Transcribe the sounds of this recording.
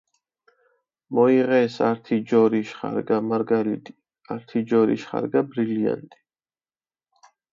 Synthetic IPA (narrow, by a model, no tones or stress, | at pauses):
mɔiʁɛːsa̰ɾt̪ʰid͡ʒɔɾiʃχa̰ɾɡamaɾɡalid̪ʼi̥ | aɾt̪ʰid͡ʒɔɾḭʃχa̰ɾɡabɾilia̰nt̪ʼi̥